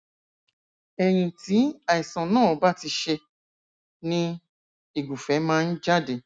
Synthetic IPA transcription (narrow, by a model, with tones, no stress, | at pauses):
ɛ˧j̃ĩ˧ti˨˦a˨i˨sã˨nãː˦˨˦ba˦ti˧ʃe˧ | nĩ˦ | i˨ɡu˨fɛ˨˦mãː˦˧n̩˦d͡ʒa˦de˨